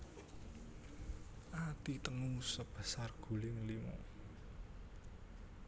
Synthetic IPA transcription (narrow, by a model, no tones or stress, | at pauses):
ʔat̪it̪əŋusəb̥a̤sarɡ̥ṳlɪŋlimɔ̰